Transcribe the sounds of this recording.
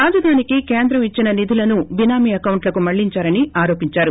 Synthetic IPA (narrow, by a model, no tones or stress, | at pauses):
ɾaːd͡ʒɐd̪ʱaːnikikeːnd̪ɾɐmit͡ʃːinɐnid̪ʱilɐnubinaːmiɐkɐwɳʈlɐkumɐɭːiɲt͡ʃaːɾɐniaːɾo̞ːpiɲt͡ʃaːɾu